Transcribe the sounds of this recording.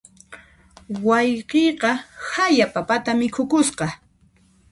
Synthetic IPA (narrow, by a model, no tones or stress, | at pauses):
wɑjqejqɑhajapapat̪amɪkʰʊkʊsqɑ